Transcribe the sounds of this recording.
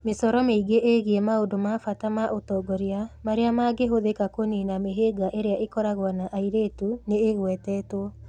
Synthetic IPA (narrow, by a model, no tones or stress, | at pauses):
mesɔɾɔmeiɡeʔeɣiemaondomafatamaʔotɔɡɔɾeamaɾeamaɡeɦoðekakoninameɦeɡaʔeɾeaʔekɔɾaɣwanaʔaiɾetuneːɣwɛtɛːtwɔ